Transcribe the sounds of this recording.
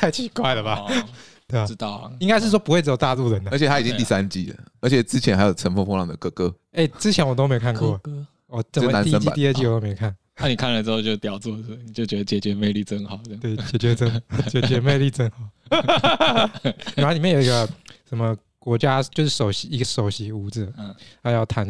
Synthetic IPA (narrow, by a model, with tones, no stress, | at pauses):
t̪ʰa˥˩ɪt͡ɕʰi˧˥kwa˥˩ɪlə˩ba˨ | t̪we˥˩˨t̪ɑ˥˩ʊi˥ŋka˥ɪʂɻ̩˥˩ʂwɔ˥pu˧xwe˥˩ʈ͡ʂɻ̩˧˥˩jt̪a˥˧lu˥˩ɻə˨˦nd̪ə˧˥t͡ɕʰt̪ʰa˥i˨t͡ɕi˦ŋt̪i˥˩sa˦nt͡ɕi˥˩lə̰˩ə˧˥t͡ɕʰjɛ˨˩t͡sɻ̩˥t͡ɕʰjɛ˦na˧ɪjo˨˩ʈ͡ʂʰə˧˥nfo˥˧fo˥ŋlɑ˥˩ŋd̪ə˩kɤ˥˧kɤ˥ | e˥˩ɪt͡sɻ̩˥t͡ɕʰjɛ˧˦nwɔ˨t̪o˥me˧˥˨kʰa˥˧nkwɔ˥˩˨ | wɔ˨˩ə˨˩˥mə˦na˨˦ni˥sə˥˦nt͡ɕi˥a˨t̪ə˥˧t͡ɕi˥˩˨to˥˧me˧˨˧kʰa˥˩n | a˥˩ni˨˩kʰa˥˩nlə˩ʈ͡ʂ̩˥xo˥˧ʊt͡ɕjo˥˧˩t̪jɑ˨˩ʊt͡swɔ˥˧˥ni˨˩t͡ɕjo˥˩ʊt͡ɕɥɛ˧˦d̪ə˧t͡ɕjɛ˨˩t͡ɕɥɛ˧˥me˥˧ɪli˥˩t͡sə˦ŋxɑ˨˩˦ʊ˧t̪we˥˩ɪt͡ɕjɛ˨˩t͡ɕɥɛ˧˥ə˥ŋt͡ɕɛ˨˩t͡ɕɥɛ˧˥me˥˧ɪli˥˧t͡sə˥ŋxɑ˨˩ʊ | n˨˥˧li˨mjji˧˦ɡə˧ʂə˨˦mə˧ | kwɔ˧˥t͡ɕja˦t͡ɕjo˥˧ʊʂɻ̩˥˩ʂo˨˩ʊɕi˨˦i˧˥ɡə˧ʂo˨˩ʊɕi˧˥u˧˥d͡zɹ̩ʰ˨˩˧a˥˦jɑ˥˩ʊt̪ʰa˧˥n